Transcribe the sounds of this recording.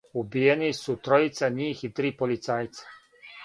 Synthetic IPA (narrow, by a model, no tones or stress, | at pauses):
ubijenisut̪ɾoit̪saɲiːxit̪ɾiːpolit̪saːjt̪sḁ